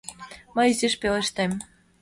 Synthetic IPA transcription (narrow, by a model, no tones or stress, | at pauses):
mɤjziʃpeleʃt̪em